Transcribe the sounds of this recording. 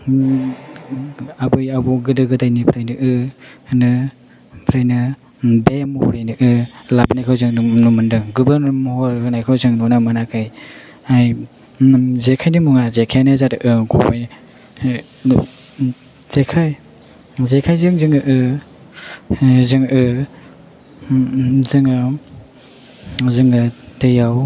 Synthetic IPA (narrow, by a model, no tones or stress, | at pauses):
abɯjabɔɡɯdɯɡɯdajnipʰɾajnɯʔɯnɯ | pʰɾajnɯ | bemɔhɔɾajnɯʔɯlabnajkʰawzɯŋnumɯndɯŋɡubɐɾnaɾmɔhɔɾɯnajkʰawzɯŋnɔnamanakʰaj | aj | zekʰajnimuŋazekʰanazatɯʔɯɡʰɔpaj | zekʰaj | zekʰajzɯŋzɯŋɯʔɯ | zɯŋʔɯ | zɯŋɯ | zɯŋɯtɯjaw